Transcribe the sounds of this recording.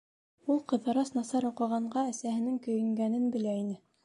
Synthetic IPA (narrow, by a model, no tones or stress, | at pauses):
ulˠqɤ̆ðɤ̆ɾɑsnɑsɑɾuqɤ̆ʁɑɴɢɑæsæhɘ̆nɘŋkɵ̆jɘ̆ŋɡænɘnbɘ̆læinɘ